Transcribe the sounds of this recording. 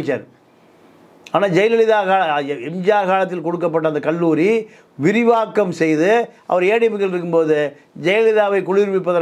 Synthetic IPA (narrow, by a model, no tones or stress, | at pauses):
t͡ʃːa̰ɾ | aːnaːd͡ʒɛjɐlɐlɪðaːɣaːlɐɛmd͡ʒaːɣaːlɐt̪̬ːɪlkɔɽɯkːɐp̬ːɐʈːɐnd̪ɐkɐɭːuːɾi | ʋɪɾɪʋaːkːɐmsɛjðɯʔɐ̰ʋɐɾeːɽɪmɪkːɐɭɪɾɯk̬ːɯmpoːðɯ | d͡ʒɛjlɛɭɪðaːʋɐɪkɔɻɪɾʋɪpːɐðɐ